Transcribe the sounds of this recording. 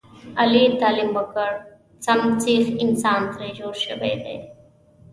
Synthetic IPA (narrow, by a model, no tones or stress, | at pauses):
ɐliːt̪aːlimbɐkəɽ | t͡sɐmt͡siːxɪnsaːnt̪ɾed͡ʑoːɾʃəbḛd̪ḛː